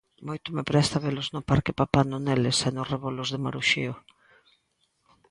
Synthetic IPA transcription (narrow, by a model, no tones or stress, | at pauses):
mojt̪ʊmepɾɛst̪aβelʊznʊpaɾkɪpapanʊnelesenʊreβolʊzðɪmaɾuʃio